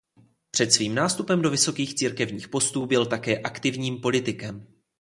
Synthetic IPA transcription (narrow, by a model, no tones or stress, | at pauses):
pr̝̥ɛt̪sviːmnaːst̪upɛmdo̞vɪso̞kiːxt͡siːɾkɛvɲiːxpo̞st̪uːbɪlt̪akɛːʔakt̪ɪvɲiːmpo̞lɪt̪ɪkɛm